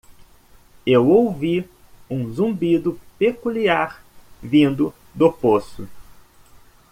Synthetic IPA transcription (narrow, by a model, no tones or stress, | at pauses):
ewowvi | ũzũbid̪ʊpekuliaɾ | vĩnd̪ʊ | d̪ʊposʊ